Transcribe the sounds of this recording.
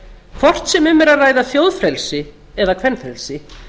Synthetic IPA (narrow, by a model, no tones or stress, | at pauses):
kʰvɔr̥t̪sɛmʏmːɛɾaðraːjðaθjowðfɾɛlsɪ | ɛðakʰvɛnːfɾɛlsɪ